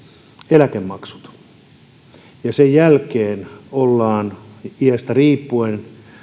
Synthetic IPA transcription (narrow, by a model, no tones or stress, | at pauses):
elækemːɑksu̥t̪ | jɑsejjælkeːnolːɑːniæst̪æriːpːuen